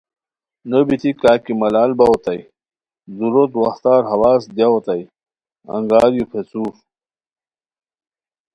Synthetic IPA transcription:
nəbit̪ikaːkimɐlaːlbawot̪aj | zuɾot̪wɐxt̪aːɾɦɐwaːsd̪jawot̪aj | ɐ̰ŋɡaːɾjupʰet͡suːf

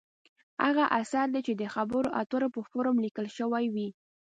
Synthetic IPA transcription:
ha̰ɣaʔasaɾd̪et͡ʃed̪əxabəɾoʔat̪əɾopəfoɾomlikəlʃəwajwi

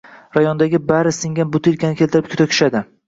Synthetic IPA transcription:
ɾajɒnd̪aɡʲɪbaɾɪsɪŋɡʲanbʊt̪ʰilkʲanɪkʲelt̪ɪɾɪp̚kʰʊ̥t̪ʰakʲʰy̥ʃad̪ɪ

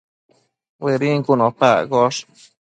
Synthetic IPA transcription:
weɾiŋkunõpaɣoʂ

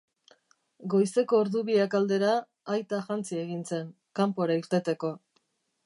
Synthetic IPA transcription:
ɡo̞jse̞ko̞ːɾðuβiakald̪e̞ɾaː | jt̪aʝant͡sieɣinse̞ŋ | kampo̞ɾaiɾt̪e̞t̪e̞ko̞

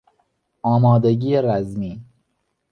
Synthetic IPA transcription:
ɒːmɑːd̪eɡiːeɾæzmiː

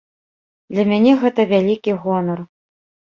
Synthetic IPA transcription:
d̪lʲɐmʲanʲɛɣɛt̪ɐvʲælʲikʲiɣɔnɐr

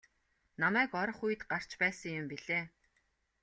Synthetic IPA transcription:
namæːkɔɾɞ̆χuj̆t̪ɢar̥t͡ɕpæːsə̆ŋjʊmpiɮeː

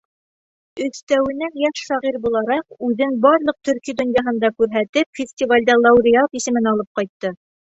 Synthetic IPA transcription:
ɵ̆θt̪æwɘ̆næjæʃʃɑʁiɾbulˠɑɾɑqʉðɘŋbɑɾlˠɤq̚t̪ɵ̆ɾkijd̪ŏnjɑɦɤ̆nd̪ɑkʉɾɦæt̪ɘpfʲɪsʲtʲivalʲd̪ɑlˠɑwɾʲiat̪isɘ̆mɘnɑlˠɤp̚qɑjt̪ːɤ

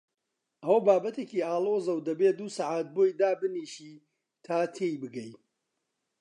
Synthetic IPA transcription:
ʔɐwɐbaːbɐt̪eːciːaːlˠoːzɐwd̪ɐbeːd̪uːsaʕaːt̪̚boːjd̪aːbɨniːʃiː | t̪ʰaːt̪ʰejbɨɡɐj

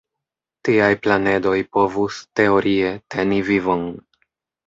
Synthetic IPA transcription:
tiajplane̞do̞jpo̞vuste̞o̞ɾʔie̞te̞nivivo̞n

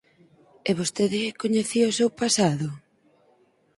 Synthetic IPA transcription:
eβost̪eðɪkoɲeθiosewpasaðʊ

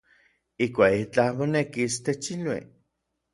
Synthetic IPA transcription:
ihkʷait͡ɬamonekist̪et͡ʃilwḭ

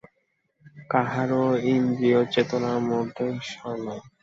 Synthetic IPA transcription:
kaɦaɾoind̪iot͡ɕet̪onamoɾd̪ʱeʃɔno

